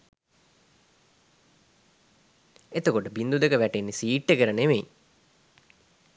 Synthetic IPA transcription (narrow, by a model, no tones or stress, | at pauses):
et̪əkoʈəbind̪ud̪əkəʋæʈenːisiːʈːəkəɾənemej